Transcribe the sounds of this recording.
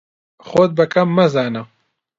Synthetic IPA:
xoːd̪̚bɐkɐmːɐzaːnɐ

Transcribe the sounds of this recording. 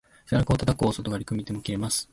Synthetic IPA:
saɾakɯot̪at̪akosot̪oɡaɾʲikɯ̟mʲit̪e̞mokʲiɾe̞masɨ̥

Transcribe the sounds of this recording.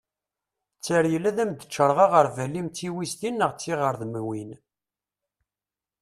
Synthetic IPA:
t͡sːəɾjəlæðæmd̪ət͡ʃːəɾˤʁɑʁəɾvælimt͡sːiwist̪inːəʁt͡sːiʁəɾðmwin

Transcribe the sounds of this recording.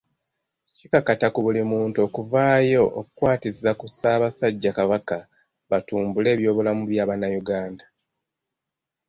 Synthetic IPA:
cikakatakuβulimuːntuo̞kuvaːjo̞ʔo̰kukwaːtizakusaːβasaɟːakaβaka | βatuːmbule̞ːβjo̞ːβulamuβjaːβanːajuɡaːnda

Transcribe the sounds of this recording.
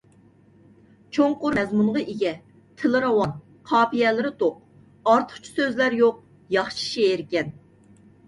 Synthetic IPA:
t͡ʃʰoŋqʊɾmɛzmunʁɑʔiɡʲɛ | t̪ʰɪlɨɾɑwɑn | qʰɑːpijɛlɪɾɪt̪ʰoq̚ | ɑɾt̪ʰə̥χt͡ʃʰu̥søzlæɾjoq̚ | jɑχʃi̥ʃeeɾkʲɛn

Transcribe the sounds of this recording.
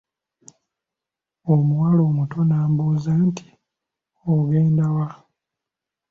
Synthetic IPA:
omuwalo̞ːmuto̞naːmbuzaːntʰi̥ | oɡeːndawa

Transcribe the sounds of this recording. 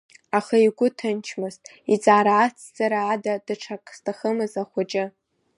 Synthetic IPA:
aχaiɡʷʊtʰɨnt͡ʃʰmɨztʼ | it͡sʼaːɾaːt͡sʰzaɾaːdadɨʈ͡ʂʰakʼstʰaχəmɨzaχʷat͡ʃʼɪ

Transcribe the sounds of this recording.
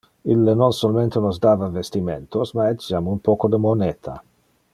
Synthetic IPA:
ilːenonsolament̪enozd̪aːvavest̪imḛnt̪osmaɛd͡ʒamumpoːkod̪əmonɛːt̪ʰa̰

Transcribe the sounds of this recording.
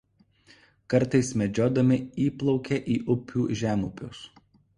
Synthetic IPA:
kɐɾˑt̪ɐɪsmʲɛd͡ʒʲoːd̪ɐmʲɪiːplˠɒʊkʲeʔiːʔʊpʲuːʒʲæːmʊpʲʊ̰s

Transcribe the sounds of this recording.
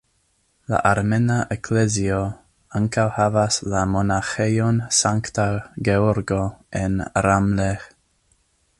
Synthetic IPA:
la̰ʔaɾmenaʔɛkʰlezio | aŋkawhavaslamonaxejonsaŋktaɡeɔɾɡoʔɛnɾamle

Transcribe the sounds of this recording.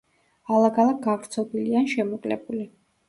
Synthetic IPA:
alˠaɡalˠak̚ɡaɡɾt̪sʰɔbilianʃɛmɔkʼlɛ̰buli

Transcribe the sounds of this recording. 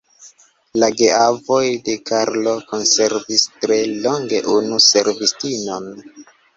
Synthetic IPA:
laɡeavojde̞kaɾlo̞ko̞nse̞ɾvistɾe̞lo̞ŋɡe̞ʔunuse̞ɾvistino̞n

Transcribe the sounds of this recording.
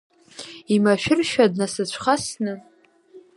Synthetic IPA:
imaʃᶣɪrʃᶣadnasɨt͡ɕʷʰχasnɨ

